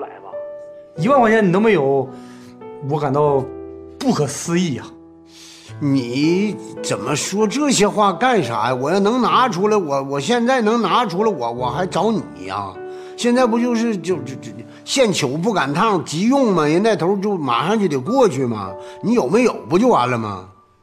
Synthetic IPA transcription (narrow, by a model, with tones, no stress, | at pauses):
u˥la˧˥ɪbɐ̰˧i˧˥wa˥nwa˥nɛ˥˩ni˨nɤ˧˥ŋme˧˥ɪjo˨˧˩ʊ | wɔ˧˥ka˨˩nt̪ɑ˥˧ʊpu˥˩kʰɤ˨˩˦sɹ̩˥i˥˩ɐ˨˩ | ni˨˩˦t͡sə˨˩nmə˦ʂwɔ˥ʈ͡ʂɤ˥˩ɕjɛ˥xwa˥˧ka˥˩nʂa̰˧˥ɪwɔ˨˩jɑ˥˩nɤ˧˥ŋna˧˥ʈ͡ʂʰu˧˥lə˧wɔ˨˩wɔ˨˩ɕjɛ˥˧nt͡sa˥˩ɪnɤ˧˥ŋna˧˥ʈ͡ʂʰu˧˥lə˧wɔ˨˩wɔ˨˩xa˧˥ɪʈ͡ʂɑ˧˥ʊnḭ˨˩˦ɐ̰˧ | ɕjɛ˥˧nt͡sa˥˩ɪpu˧˥t͡ɕjo˥˧ʊʂɻ̩˥˧t͡ɕjo˥˧ʊ˥˩ | ɕjɛ˥˩nt͡ɕʰjo˧˥ʊp̬u˥˩ka˨˩nt̪ʰɑ˥˩ŋt͡ɕi˧˥jʊ˥˩ŋmɐ˩jɛ˧˥na˥˩ɪt̪ʰo˧˥ʊt͡ɕjo˥˩ʊma̰˨˩ʂɑ˥˧ŋt͡ɕjo˥˩t̪e˨˩ɪkwɔ˥˧t͡ɕʰy˥˩mɐ̰˩ni˧˥jo˨˩ʊme˧˥jo˨˩ʊpu˧˥t͡ɕjo˥˩ʊa˞˧˥lə˧mɐ̰˨˩